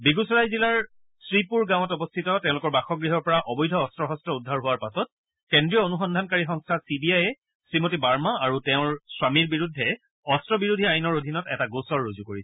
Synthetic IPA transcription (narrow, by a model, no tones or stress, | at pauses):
biɡusɔɹajzilaɹ | sɹipuɹɡãw̃ɔtɔbɔstʰitɔtɛ̃ʊ̃lʊkɔɹbaxɔɡɹiɦɔɹpɔɹaʔɔbɔjdʱɔːstɹɔɦɔstɹɔudʱːaɹɦʊwaɹpasɔt̚ | kendɹijɔonuxɔndʱankaɹixɔŋstʰasibiajɛ | sɹimotibaɹmaaɹutɛʊ̃ɹswamiɹbiɹudʱːɛ | ɔstɹɔbiɹudʱiajnɔɹodʱinɔtɛ̰taɡosɔɹːozukoɹisɛ